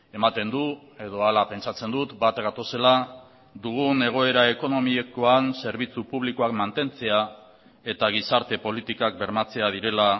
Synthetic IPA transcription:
e̞mat̪e̞nd̪u | e̞ðo̞alape̞nt͡ʃat͡se̞nd̪ut̪bat̪ɡat̪o̞se̞la | d̪uɣ̞une̞ɣ̞o̞e̞ɾae̞ko̞no̞miekoanse̞ɾβit͡supuβlikoakmant̪e̞nt͡se̞a | e̞t̪aɣ̞isaɾt̪e̞po̞lit̪ikak̚be̞ɾmat͡se̞að̞iɾe̞la

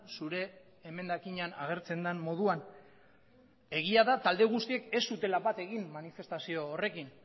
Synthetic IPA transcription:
suɾe̞ː | me̞nd̪akiɲanaɣ̞e̞ɾt͡se̞nd̪anmo̞ð̞uan | e̞ɣ̞iaðat̪ald̪e̞ɣ̞ust̪ie̞ke̞sːut̪e̞laβat̪e̞ɣimmanife̞st̪asio̞ːre̞kin

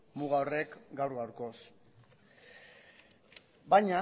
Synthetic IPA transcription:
muɣaore̞kɡawɾɣawɾko̞s | bajɲa

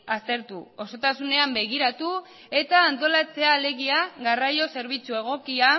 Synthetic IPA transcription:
ast̪e̞ɾt̪uo̞so̞t̪asune̞ambe̞ɣ̞iɾat̪u | e̞t̪aːnt̪o̞lat͡se̞aːle̞ɣiaɣarajo̞se̞ɾβ̞it͡sue̞ɣ̞o̞kia

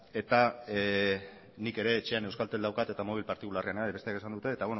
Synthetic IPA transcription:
e̞t̪a | nike̞ɾe̞ːt͡ʃe̞anewskalt̪eld̪awkat̪e̞t̪amoβ̞ilpaɾt̪ikulareaneaβet̪eake̞sand̪ut̪e̞ːt̪awen

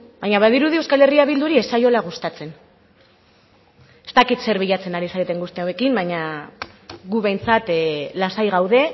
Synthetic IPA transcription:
bajɲaβaðiɾuðiewskale̞riaβ̞ild̪uɾie̞sajo̞laɣ̞ust̪at͡se̞n | e̞st̪akit̪se̞ɾβiʎat͡se̞naɾisaɾet̪e̞ŋɡust̪eawe̞kimbaɲa | ɣuβe̞jnt͡sat̪lasajɣ̞awðe̞

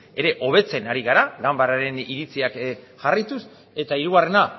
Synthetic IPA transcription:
e̞ɾe̞ʔo̞βe̞t͡se̞naɾiɣaɾaɡambaɾaɾe̞niɾit͡siak | ʝarijt̪us | e̞t̪aiɾuɣare̞na

